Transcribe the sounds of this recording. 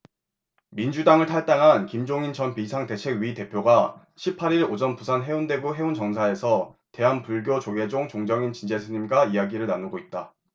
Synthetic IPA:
mind͡ʑudaŋɯɭtʰaɭt͈aŋɦankimd͡ʑoŋint͡ɕʌnpisʰaŋte̞t͡ɕʰe̞ɡɥite̞pʰjoɡa | ɕʰipʰːaɾiɭod͡ʑʌnpusʰanɦe̞undwe̞ɡuɦe̞unt͡ɕʌŋsʰae̞sʰʌte̞ɦanpuɭɡjot͡ɕoɡe̞d͡ʑoŋt͡ɕoŋd͡ʑʌŋint͡ɕind͡ʑesʰɯɲimɡaijaɡiɾɯɭnanuɡoit̚t͈a

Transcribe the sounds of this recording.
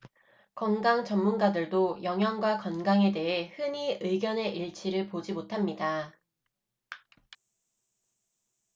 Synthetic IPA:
kʌŋɡaŋt͡ɕʌmːunɡadɯɭdojʌŋɦjʌŋɡwakʌnɡaŋe̞de̞ɦe̞hɯɲiɯɡjʌne̞ʔiɭt͡ɕʰiɾɯɭpod͡ʑimotʰamɲida

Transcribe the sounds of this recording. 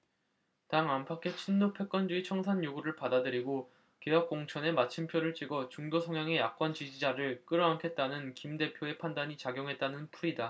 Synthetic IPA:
taŋampʰakʰe̞t͡ɕʰinːopʰe̞k͈ʌnd͡ʑuit͡ɕʰʌŋsʰaɲjoɡuɾɯɭpadadɯɾiɡo | ke̞jʌk̚k͈oŋt͡ɕʰʌne̞mat͡ɕʰimpʰjoɾɯɭt͡ɕ͈iɡʌt͡ɕuŋdosʰʌŋjaŋe̞jak̚k͈wʌnt͡ɕid͡ʑid͡ʑaɾɯɭk͈ɯɾʌankʰe̞t̚t͈anɯnkimde̞pʰjoe̞pʰandaɲit͡ɕaɡjoŋɦe̞t̚t͈anɯnpʰuida

